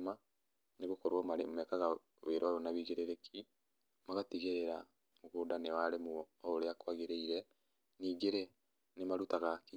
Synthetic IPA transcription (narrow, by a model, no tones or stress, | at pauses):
ma | neɣokoɾwɔmaemɛkaɣa | weɾɔaɾonawiɣeɾeɾekʰi | maɣatiɣeɾeɾa | moɣoːdanewaɾemuɔoɾeakwaɣeɾeiɾɛ | niːɡeɾe | nemaɾutaɣaki